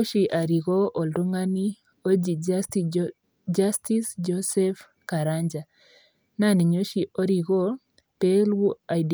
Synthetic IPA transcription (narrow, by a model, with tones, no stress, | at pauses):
ʃi˨ʔa˨ɾi˨ɣɔ˦ʔɔ˨ldu˦ŋa˦ni˦ | o˦d͡ʒi˨ti | d͡ʒasti˦sd͡ʒɔsɛf | kaɾaɲd͡ʒa˨ | na˦ni˨ɲo˦ʃi˨ʔɔ˦ɾi˨ɣɔ˦ | pɛ˦lwu˦a˨d